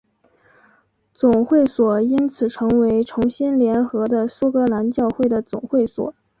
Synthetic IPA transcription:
t͡sʊ˨˩ŋxwe˥˩ɪswɔ˨˩i˥nt͡sʰɹ̩˨˩ʈ͡ʂʰɤ˧˥ŋwe˧˥ɪʈ͡ʂʰʊ˧˥ŋɕi˥nljɛ˧˥nxɤ˧˥d̪ə˧su˥kɤ˧˥la˧˥nt͡ɕjɑ˥˧ʊxwe˥˩ɪd̪ə˩t͡sʊ˨˩ŋxwe˥˩ɪswɔ̰˨˩˦

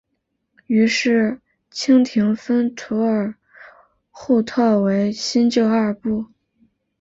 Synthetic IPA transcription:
y˧˥ʂɻ̩˥˩ | t͡ɕʰi˥ŋt̪ʰi˧˥ŋfə˥nt̪ʰu˧˥ə˞˨˩ | xu˥˧t̪ʰɤ˥˩we˧˥ɪɕi˥nt͡ɕjo˥˧ʊa˞˥˩pu˥˩

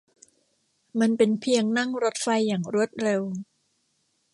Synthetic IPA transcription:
ma˧npe˧npʰi˧əŋna˥˩ŋɾo˦˥t̪̚fa˧jːaː˨˩ŋɾu˥˩ət̪̚ɾe˧w

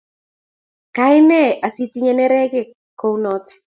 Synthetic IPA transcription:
ka˦ɪ˦nɛ˦˨ʔa˨si˦ti˦ɲɛ˨nɛ˦ɾɛ˦ɡɪ˦˨ | ko˦wnɔ˦t

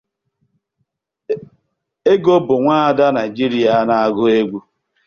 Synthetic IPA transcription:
e˦ɡo˦bʊ˨ŋʷaː˦a˨da˦na˨i˨d͡ʒi˦ɾi˦a˨˦na˨a˨ɡʊ˦e˦ɡʷu˦

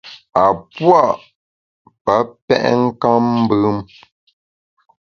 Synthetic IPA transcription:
a˨pwa˦˨ʔ | pə˨˦pɛ̰˦ʔŋ̩˦ka˦m̩ː˦bɨ˦m

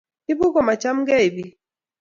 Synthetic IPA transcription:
i˦bu˦ɡɔ˨ma˨t͡ʃa˦mɡɛ˦i˨bi˦

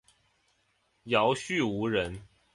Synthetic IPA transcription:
jɑ˨˦ʊɕy˥˨u˧˥ɻə˨˦n

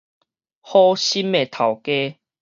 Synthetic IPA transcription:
hɔ˦ɕi˦me˨˩t̪ʰa˨˩wke˦

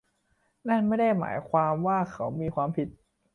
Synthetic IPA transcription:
na˥˩nma˥˩jda˥˩jma̰ː˩˦jkʰwaː˧mwaː˥˩kʰa˨˦˥wmiː˧kʰwaː˧mpʰi˨˦t̪̚

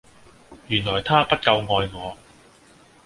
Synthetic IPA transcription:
jyː˨˩nlɔː˨˩jt̪ʰaː˥pɐ˥t̚kɐ˧wŋɔː˧jŋɔː˨˧

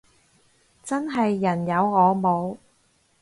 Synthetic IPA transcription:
t͡sɐ˥nɦɐ˨jːɐ˨˩njɐ˨˧wŋɔː˨˧mo˨˧w

